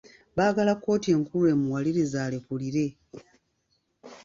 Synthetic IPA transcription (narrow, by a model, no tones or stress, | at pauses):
baːɡalakːo̞ːtie̞ːŋkulue̞ːmuwaliɾizaːle̞kuliɾe̞